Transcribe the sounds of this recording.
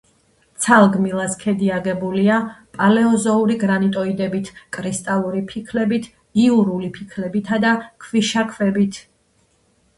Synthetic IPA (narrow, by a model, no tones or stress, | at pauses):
t̪sʰalˠɡmilˠaskʰɛd̪iaɡɛbuliapʼalɛɔzɔuɾiɡɾanit̪ʼɔid̪ɛbit̪ʰkʼɾist̪ʼalˠuɾipʰikʰlɛbit̪ʰ | iuɾulipʰikʰlɛbit̪ʰad̪akʰviʃakʰvɛbit̪ʰ